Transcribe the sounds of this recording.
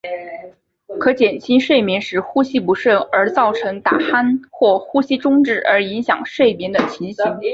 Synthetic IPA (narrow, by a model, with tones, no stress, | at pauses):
kʰɤ˧˥t͡ɕjɛ˨˩nt͡ɕʰi˥nʂwe˥˩ɪmi˧˥ŋʂɻ̩˧˥xu˥ɕi˥pu˧˥ʂwə˥˩ə˞˧˥t͡sɑ˥˩ʊʈ͡ʂʰɤ˧˥ŋt̪a̰˨˩xa˥nxwɔ˥˩xu˥ɕi˥ʈ͡ʂʊ˥ŋʈ͡ʂɻ̩˥˩ʔə˞˧˥i˧˥ŋɕjɑ˨˩ŋʂwe˥˩ɪmi˧˥nd̪ə˧t͡ɕʰi˧˥nɕi˧˥ŋ